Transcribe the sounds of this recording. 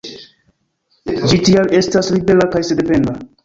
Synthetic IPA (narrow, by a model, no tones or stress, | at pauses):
d͡ʒitiame̞staslibe̞lakajsede̞pe̞nda